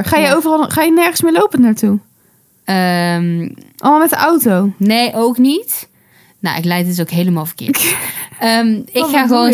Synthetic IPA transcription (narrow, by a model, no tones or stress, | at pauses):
χaːjəjowvərɑlˠχaːjənɛɹχənsmɪːlowpənnaːɹtu | əmʔɑ̰lˠmalˠmɛt̚dəʔawtownejʔowknit | no̰wʔɪ̰klɛjt̚ɪs̬okɦejləmaːlˠvəkɪ̰ | əmɪxaːxəʋon